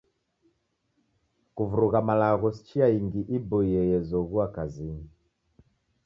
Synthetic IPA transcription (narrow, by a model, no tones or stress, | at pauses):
kuvuɾuɣamalaɣɔsi̥t͡ʃiaiŋɡiʔibɔiɛjɛzɔɣuakazini